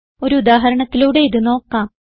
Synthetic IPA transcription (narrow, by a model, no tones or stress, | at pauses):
o̞ɾuud̪aːɦɐɾɐɳɐt̪ːiluːɽe̞jiðɨno̞ːkːaːm